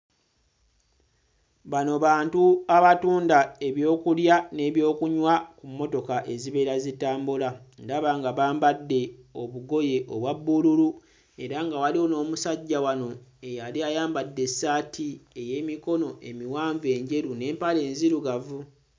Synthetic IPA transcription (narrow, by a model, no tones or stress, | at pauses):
βano̞βaːntuaβatuːndae̞βjo̞ːkuljane̞ːβjo̞ːkuɲwakumːo̞to̞kaʔe̞ziβe̞ːɾazitaːmbulandaβaŋɡaβaːmbadːe̞o̞βuɡo̞je̞ʔoβwabːululu | e̞ɾaŋɡawaliono̞ːmusaɟːawano̞e̞jaliajaːmbadːe̞sːaːtʰie̞je̞ːmiko̞no̞ʔe̞̰miwaːɱve̞ːɲɟe̞ɾune̞ːmpale̞ːnziɾuɡavu